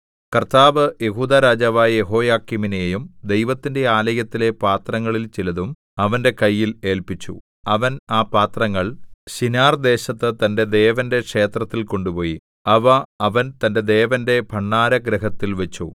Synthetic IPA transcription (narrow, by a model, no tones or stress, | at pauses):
kɐrt̪aːʋɨje̞ɦuːd̪aɾaːd͡ʑaːʋaːjeɦo̞ːjaːkːiminejejumd̪e̞jʋɐt̪ːinde̞aːlɐjɐt̪ːile̞paːt̪rɐŋːɐɭilt͡ɕilɐðum | ɐʋɐnde̞kɐjːile̞ːlpit͡ɕːṵ | ɐʋɐnaːpaːt̪rɐŋːɐɭɕinaːrd̪e̞ːɕɐt̪ːɨt̪ɐnde̞d̪e̞ːʋɐnde̞kʂe̞ːt̪rɐt̪ːilko̞ɳɖupo̞ːji | ɐʋɐɐʋɐnt̪ɐnde̞d̪e̞ːʋɐnde̞bʱɐɳːaːɾɐɡɾɐɦɐt̪ːilʋet͡ɕːṵ